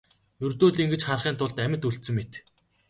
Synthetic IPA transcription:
jɵrt̪oːɮiŋɡɘ̆t͡ɕχarχiːnt̪ʰʊɮt̪æmʲɪ̆t̪uɬt̪sɘ̆ŋmet̪

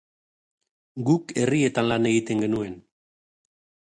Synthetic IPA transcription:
ɡuke̞rie̞t̪anlane̞ɣit̪e̞ŋɡe̞nue̞n

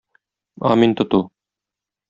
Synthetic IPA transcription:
ɑ̰mint̪ə̆t̪u

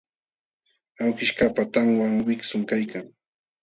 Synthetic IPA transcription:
awkɪʃkapat̪aŋwaŋmɪksʊŋkajkaŋ

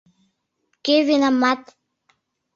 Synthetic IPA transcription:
kevinamːat̪

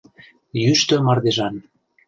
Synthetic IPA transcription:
jyʃt̪ø̆mɑrd̪eʒɑn

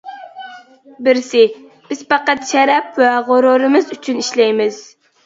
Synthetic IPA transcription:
bɪɾsɪ | b̥ɪz̥pɑqɑt̪ʃɛɾɛpwæʁoɾoɾɨmɨzyt͡ʃʰyniʃlɛjmɪz̥

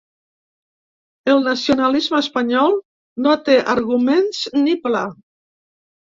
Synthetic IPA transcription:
əlˠnasiunalizməːspəɲɔlˠ | not̪eʔaɾɣumenznipla

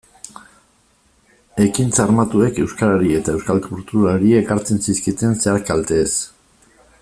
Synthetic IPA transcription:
e̞kint͡saɾmat̪ue̞ke̞wskaɾaɾie̞t̪ae̞wskalkuɾt̪uɾaɾie̞kaɾt͡se̞nsiskit̪e̞nse̞aɾkalt̪eːs

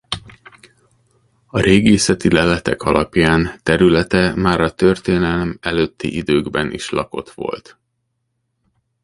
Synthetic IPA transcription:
ɒɾeːɡeːsɛt̪ilɛlɛt̪ɛkʰɒlʔɒpjaːnt̪ɛɾylɛt̪ɛmaːɾɒt̪ø̞rt̪eːnɛlmɛløːt̪ʰːḭʔid̪øːɡbɛnʔḭʃlɒ̰ko̞̰t̪ʋo̞̰lt̪

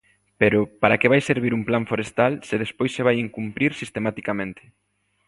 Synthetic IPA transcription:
peɾʊpaɾakeβajseɾβ̞iɾumplaɱfoɾest̪alseðespojseβajiŋkumpɾiɾsist̪emat̪ikamẽnt̪ʰe̥

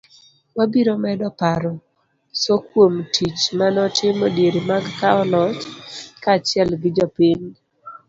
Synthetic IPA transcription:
wabiɾomɛdɔpaɾɔ | sɔkwomtʰit͡ʃmanɔtʰɪmɔdjeɾimaɡkaɔlɔt͡ʃkat͡ʃɪɛlɡɪd͡ʒɔpiɲ

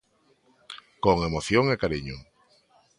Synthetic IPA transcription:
koŋemoθjoŋekaɾiɲʊ

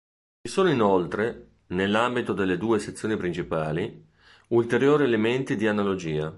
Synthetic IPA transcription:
t͡ʃisoːnoinolt̪ɾe | nelːambit̪od̪elːed̪uːeset̪sːjoːnipɾint͡ʃipaːli | ult̪eɾjoːɾielement̪id̪ianalod͡ʒiːa

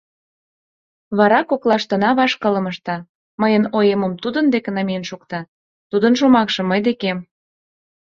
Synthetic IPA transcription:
βɑɾɑkoklˠɑʃt̪ənɑβɑʃkələ̆məʃt̪ɑ | məjənojeməmt̪ud̪ənd̪eknamʲijənʃukt̪ɑ | t̪ud̪ənʃomɑkʃɤ̆mːəjd̪ekem

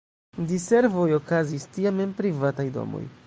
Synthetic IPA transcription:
dise̞ɾvo̞jo̞kazistiamempɾivatajdo̞̰mo̰j

